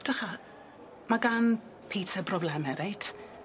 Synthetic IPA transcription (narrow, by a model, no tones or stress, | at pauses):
d̥əχa | maɡan | pʰiːtʰɛbrɔblɛmɛɾʔejtʰ